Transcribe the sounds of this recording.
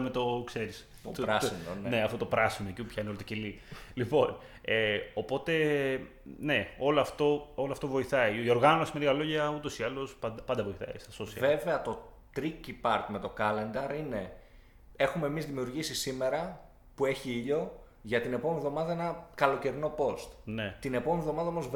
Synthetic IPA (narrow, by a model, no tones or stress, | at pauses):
met̪o̞kse̞ɾis | t̪ot̪ɾɐsinnne̞ɐfot̪o̞pɾɐsinoeciupçɐineolot̪ocelilipo̞n | eo̞po̞t̪e̞ | ne̞o̞loɐft̪o̞oloɐft̪o̞vo̞iθɐiio̞ɾɣɐnosimeiɣɐlo̞ʝɐut̪o̞siɐlo̞spɐd̪ɐpɐnd̪ɐvo̞iθɐ̰ḭst̪ɐsossiɐve̞veɐt̪o̞ | t̪ɾicipɐɾt̪met̪o̞kɐle̞nd̪ɐɾine̞ | e̞xume̞mizðimiuɾʝisisime̞ɾɐ | pue̞çiiʎo̞ | ʝɐt̪ine̞pomevðo̞mɐðɐe̞nɐkɐlo̞ce̞ɾino̞po̞st̪ne̞t̪ine̞pomevðo̞mɐðɐomoz